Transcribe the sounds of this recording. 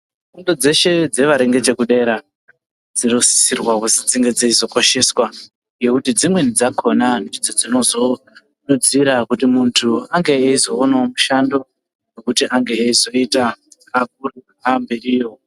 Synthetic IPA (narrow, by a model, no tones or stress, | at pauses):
fundod͡ze̞ʃe̞d͡ze̞ʋaɾeŋɡe̞t͡ʃe̞kuɗe̞ɾa | d͡zinosi̥sirwakusid͡ziŋɡe̞d͡zeizo̞ko̞ʃe̞swa | ɡe̞kutid͡zimwenid͡zakʰo̞nanid͡zod͡zino̞zo̞ | ɗud͡ziɾakutimuntʰuaŋɡe̞ːizo̞ːnaomuʃando̞ | jekutiʔaŋɡeːizo̞itaː | k̚uru | ambiriːjo